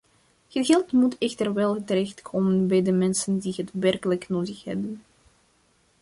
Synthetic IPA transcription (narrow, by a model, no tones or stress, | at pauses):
ɣəɣɛlˠtmutʰɛxtərʋɛlˠətəɾɛxtkʰoːmənbɛjdəmɛnsəndiɦətʋɛrkələknoːdəxhɛ̰bən